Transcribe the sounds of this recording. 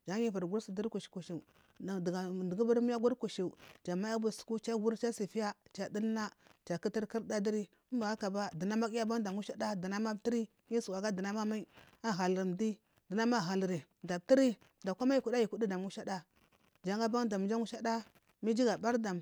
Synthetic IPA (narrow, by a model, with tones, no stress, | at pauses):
d͡ʒa˨˦i˦va˨ɾɡu˦ɾsi˨di˦ɾku˨ʃi̥˨ku˨ʃi˨ | dɡa˨di˨ɡu˦ba˦ɾmi˦ja˦ɡʷu˦ɾku˨ʃi˨u˨d͡ʒa˨ma˦a˦bu˦˨su̥˨ku˦t͡ʃa˦ɡu˦ɾt͡ʃa˦si˨fi˦ja˦t͡ʃa˨di˦nː˦a˦t͡ʃa˨ki˦ti˦ɾki˦ɾda˦di˦ɾi˦ | mba˨ɡa˦ka˨ba˦di˨na˦ma˦ki˦ja˦ba˦ŋ˦da˨mu˦ʃa˦da˦di˨na˦ma˦ti˦ɾi˦ | ɲi˦su˨wa˨ɡa˦di˨na˦ma˦ma˦ | a˦ɣa˨lɾi˨mdi˦ | di˨na˦ma˦˨ɣa˨lɾi˨ | da˨b̚ti˦ɾi˦ | da˨kʷa˦ma˦ji˨ku˨da˦ji˨ku˦di˦da˨mu˦ʃa˦da˦ | d͡ʒa˦ŋɡa˦ba˦ŋda˨m˨d͡ʒa˦ŋu˦ʃa˦da˦ | mi˦d͡ʒi˦ɡa˨ba˦ɾda˨m